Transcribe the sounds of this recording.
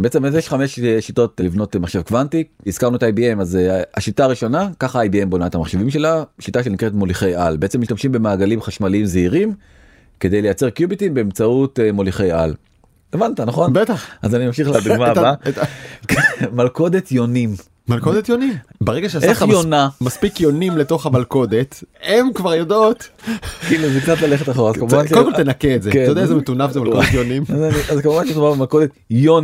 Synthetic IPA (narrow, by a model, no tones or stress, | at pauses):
beet͡semezjeʃχameʃʃito̞tlivno̞tmaχʃe̞vkvantiiz̥kaʁnuetaajbiemazaʃitaːʁiʃo̞nakaχaajbiembonaetamaχʃe̞vimʃe̞laʃitaʃ̬enikʁetmo̞liχe̞jalbeet͡semiʃtamʃimbe̞maːɡalimχaʃmalimzeiʁim | ke̞d̪e̞jle̞jat͡seʁkjubitimbeːmt͡sautmoliχejal | evantanaχo̞nbet̪aχazanimamʃiχlad̪uɡmat̪abaekmalko̞d̪et̪jonim | malko̞d̪et̪jo̞nimbeʁeɡaʃeaseaft̪ajonamaspikjo̞nimle̞to̞χhamalko̞d̪e̞t̪emkvaʁjodot̪kiluzekt͡sat̪laleχet̪aχoʁazkamuvanodemkot̪enakeːtzeatajdeazemet̪unavzemalkod̪et̪jonimazaniazkamuvantlidumabemalkod̪et̪ | jon